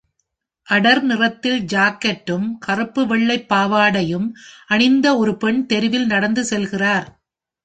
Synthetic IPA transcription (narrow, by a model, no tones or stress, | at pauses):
ʔɐɽɐɾnɪrɐt̪ːɪld͡ʒaːkːɐʈːɯmkɐrɯpːɯʋɛɭːɐɪpːaːʋaːɽɐjɯmʔɐɳɪnd̪ɐɔɾɯpɛɳt̪ɛɾɪʋɪlnɐɽɐnd̪ɯsɛlɣɪraːɾ